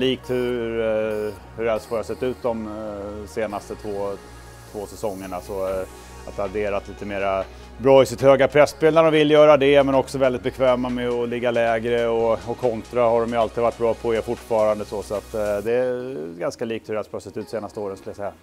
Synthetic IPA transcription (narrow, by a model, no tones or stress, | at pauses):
liːk̚t̪hɵ | hɵɾɛlsfɔɾhasɛt̪ːʉ̟ːt̪̚d̪ɔmseːnast̪ət̪ʰvoː | t̪ʰvoːsɛsɔŋːəɳasɔ | a̰t̪ad̪eːɾat̪liːt̪əmeːɾa | bɾɑːɪsɪt̪høːɡapʰɾɛsːpeːlæɾɔmvɪlːjœːɾad̪ɛmɛnɔksɔvɛld̪ɪt̪̚bɛkʰvɛːmamɛɔlɪɡːalɛːɡɾəɔɔkʰːɔnt̪ɾahaɖɔmjɵalt̪ɪid̪vaʈːbɾɑːpʰɔeɾfʊʈːfɑːɾand̪əsɔsɔat̪ːd̪ɛɡanskaliːk̚t̪hɵɾɛlsfɔɾhasɛt̪ːʉ̟t̪seːnast̪əoːɾənskɵljasɛjːa